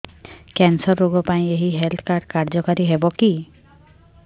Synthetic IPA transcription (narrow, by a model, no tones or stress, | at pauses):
kɛnsɔɾːoɡɔpaĩeɦiɦelt̪ʰkaɾɖkaɾd͡ʒɔkaɾiɦebɔki